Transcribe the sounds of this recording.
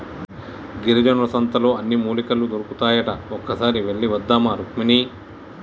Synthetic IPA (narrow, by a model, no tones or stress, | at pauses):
ɡiɾɐd͡ʒɐnʋɐsɐnt̪ɐlo̞ːɐnːimuːlikɐlːud̪oɾukut̪aːjɐʈɐɔkːɐsaːɾiʋe̞ɭːiʋɐd̪ːaːmaːɾukmini